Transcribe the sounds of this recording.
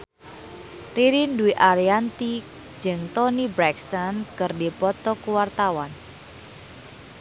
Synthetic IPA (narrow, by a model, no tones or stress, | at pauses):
riɾinduwiʔaɾiant̪i̥ | d͡ʒɨŋt̪ɔnibɾɛkst̪ankɨrdipɔt̪ɔkuwart̪awan